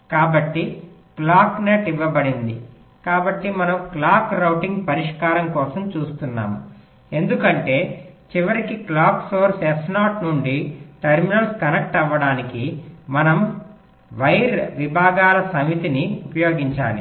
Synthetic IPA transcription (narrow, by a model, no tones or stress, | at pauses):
kaːbɐʈːi | klaːkneʈiʋːɐbɐɽind̪i | kaːbɐʈːimɐnɐmklaːkɾɐwʈiŋɡpɐɾiʂkaːɾɐmkɔːsɐmt͡ʃuːst̪unːa̰ːmu | e̞nd̪ukɐɳʈe̞ːt͡ʃiʋɐɾikiklaːksoːɾsesnaːʈnuɳɖiʈɐɾminɐlskɐnek̚ʈɐʋːɐɽaːnikimɐnɐm | ʋɐjɾʋibʱaːɡaːlɐsɐmit̪iniupɐjo̞ːɡiɲt͡ʃa̰ːnḭ